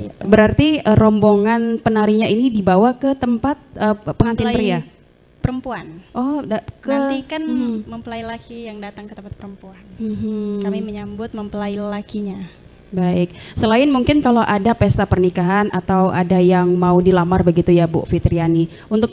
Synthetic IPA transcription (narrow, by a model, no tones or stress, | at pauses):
ibəɾart̪iəɾɔmboŋanpənaɾiɲainidibawakət̪əmpat̪̚əpəŋant̪ipəɾiia | pəɾəmpuanʔɔdakəikanməmpəlailakijaŋdat̪aŋkət̪əmpat̪̚pəɾəmpuanm̩ɦ̩kamiməɲambʊt̪̚məmpəlailakiɲa | baɪk̚səlaɪnmuŋkɪnkaloʔadapest̪apərnikaɦanʔat̪awʔadajaŋmaudilamarbəɡit̪ujabo̰ʔfit̪əɾiani | unt̪ʊk̚